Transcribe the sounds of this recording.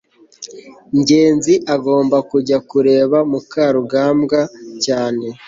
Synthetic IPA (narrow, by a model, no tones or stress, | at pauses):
ɲɟe̞ːnziʔaɡo̞ːmbakuɟakuɾe̞ːβamukaːɾuɡaːmɡacaːne̞